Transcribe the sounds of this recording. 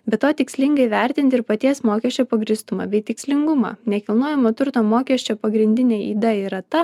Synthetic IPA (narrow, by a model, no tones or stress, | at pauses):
bʲɛt̪tːoːt̪ʲɪksʲlʲɪŋɡɐɪʋʲɛˑɾʲt̪ʲɪnt̪ʲɪɾpɐt̪ʲiɛsmoːkʲɛʃʲt͡ʃʲoːpɐɡɾʲɪst̪ʊmɑ̰ːbʲɛɪt̪ʲɪksʲlʲɪŋɡʊmɑ̰ːnʲɛkʲɪlˠnuɔjɛmoːt̪ʊɾt̪oːmoːkʲɛʃʲt͡ʃʲoːpɐɡɾʲɪnʲd̪ʲɪnʲeːḭːd̪ɐɪɾɐt̪ɐ